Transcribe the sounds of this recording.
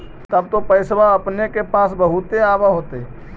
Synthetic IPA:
t̪əb̚t̪opəɪsʋaəpnekepaːsbəɦut̪eaːbaɦot̪e

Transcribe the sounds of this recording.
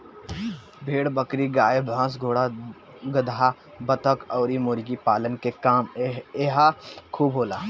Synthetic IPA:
bʱeːɽbɐkɾiɡaːebʱãːs̬ɡʱoːɽa | ɡɐd̪ʱa | bɐt̪əkɔːɾimoɾɡipaːlənkekaːmeɦakʰuːbɦoːlaː

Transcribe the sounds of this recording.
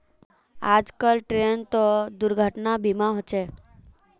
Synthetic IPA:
ad͡ʒkəlʈɾent̪od̪ʊɾɡʱəʈnabimãɦot͡ʃe

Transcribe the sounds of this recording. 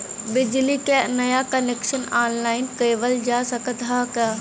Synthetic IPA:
bɪd͡ʒlikanɐjakəneːkʃənaːnlaːɪnkeːʋəld͡ʒaːsəkət̪ɦakaː

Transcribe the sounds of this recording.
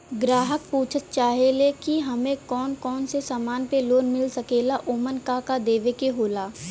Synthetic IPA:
ɡɾaːɦək̚puːt͡ʃʰət̪̚t͡ʃaːɦelekiɦɐmẽkɔːnkɔːnsesaːmaːnpeloːnmɪlsɐkeːlaʔoːmənkakad̪eːʋekeɦoːlaː

